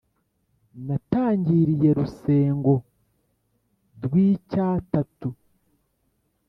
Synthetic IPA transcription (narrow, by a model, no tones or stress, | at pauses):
nataːɲɟiɾije̞ɾuse̞ːŋɡo̞ | ɾwiːcaːtatu